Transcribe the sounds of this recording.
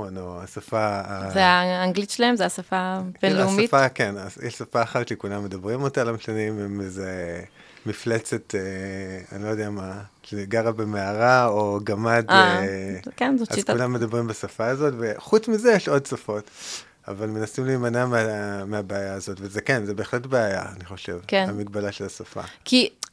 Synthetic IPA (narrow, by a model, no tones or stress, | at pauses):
wonoasafaːzeaːŋɡlitʃelaemzeasafabenlleausmitfakenazjɛʃsafaːχatʃekulamːe̞d̪abʁimo̞talamʃanimemeze | mːiflet͡se̞tea̰nilojd̪ejama | ʃeɡaʁabe̞meaʁaoɡamad | kenzoa̰zkulamːedabʁimbasafaːzo̞tveχut͡smizejeʃo̞dsafo̞t | a̰valme̞nasimliːmanameameabeajaazo̞tvezekenzebe̞ːχletbeaja̰aniχo̞ʃevkenamiɡbalaʃelasafa̰kʰi